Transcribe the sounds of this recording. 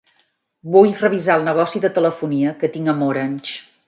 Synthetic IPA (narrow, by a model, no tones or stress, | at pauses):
bujrəβ̞izaəlˠnəɣ̞ɔsiðət̪ələfuniəkət̪iŋəmoɾənʲt͡ʃ